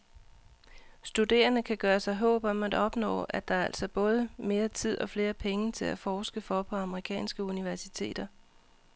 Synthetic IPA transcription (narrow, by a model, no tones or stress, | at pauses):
sd̥ud̥e̝̰ːɐnəkʰæɡ̥ɶːɐsɑ̈ɪɦɔ̰ːb̥ɒ̽mæd̥ɒ̽b̥nɔ̰̽ːæd̥ɑ̈æɐæl̰sɒb̥ɔ̽ːð̞ˠəme̝ːɐt͡sʰið̞̰ˠɒ̽fle̝ːɐpʰeŋət͡sʰe̝læfɒːsɡ̥əfɒ̽pʰɒ̽ɑ̈məʁikʰɛ̰ːnsɡ̥əuniʋæɐsit͡sʰe̝̰ːd̥ɐ